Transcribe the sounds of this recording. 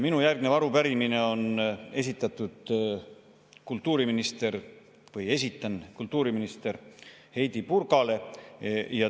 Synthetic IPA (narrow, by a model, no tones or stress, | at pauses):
minujærɡ̥ne̞vɑɾupæɾimine̞o̞ne̞sit̪ːˑɑt̪ːˑud̪̥ | kult̪ˑːuːɾiminist̪e̞ɾ | vɤje̞s̬ʲit̪ːˑɑnkult̪ːˑuːɾiminist̪e̞ɾhe̞jd̪ipurɡɑle̞ | jɑ